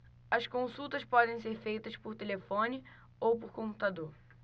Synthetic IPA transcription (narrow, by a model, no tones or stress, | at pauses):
ɐskõsut̪ɐspɔd̪ẽj̃seɾfejt̪ɐspoɾt̪elefõnɪ | owpoɾkõmpu̥t̪ad̪oɾ